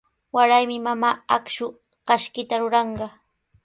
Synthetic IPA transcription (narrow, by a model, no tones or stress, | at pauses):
waɾajmɪmamaːakʃʊ | ɢɑʃkɪt̪aɾʊɾɑɴɢɑ